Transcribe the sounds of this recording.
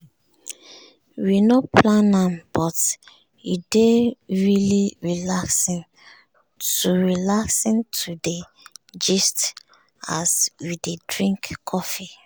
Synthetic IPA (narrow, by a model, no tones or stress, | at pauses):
winɔpʰlãnãmb̥ɔt | ideɹiliɹilaksĩn | tuɹilaksĩntʰude | d͡ʒist | aswidedɹĩŋkkʰɔfi